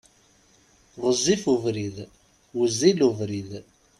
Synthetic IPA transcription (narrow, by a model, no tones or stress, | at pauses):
ʁəzːifuvɾið | wəzːiluvɾið